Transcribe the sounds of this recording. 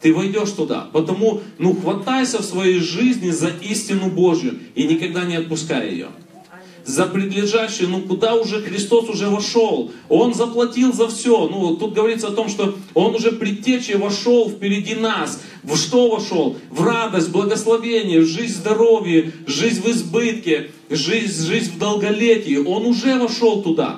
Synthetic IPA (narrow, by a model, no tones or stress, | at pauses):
t̪ɨvɐjdʲo̞ʂt̪ʊd̪a̰pət̪ɐmunuxvɐt̪ajsʲəfsvɐjejʐɨzʲnʲɪzɐʔisʲtʲɪnʊbo̞ʐjʊ̰inʲɪkɐɡ̚d̪anʲɪɐt̪̚pʊskaj̰jɪ̰jo̰ | zəpɾʲɪd̪lʲɪʐaɕːɪjənukʊd̪aʊʐɛxɾʲɪst̪o̞sʊʐɛvɐʂo̞lˠo̞nzəplˠɐtʲilˠzɐfsʲo̞nut̪ːut̪̚ɡəvɐɾʲit̪səɐt̪o̞mʂt̪o̞o̞nʊʐɛpɾʲɪtʲːet͡ɕvɐʂo̞lˠfpʲɪɾʲɪdʲinas | vʂt̪o̞vɐʂo̞lˠvrad̪əsʲt̚ʲblˠəɡəslˠɐvʲenʲɪjəvʐɨzʲzd̪ɐɾo̞vʲjəʐɨzʲnʲvɨzbɨt̪kʲɪ | ʐɨzʲʐɨzʲvd̪əlˠɡɐlʲetʲɪjɪʔo̞nʊʐɛvɐʂo̞lˠt̪ʊd̪a̰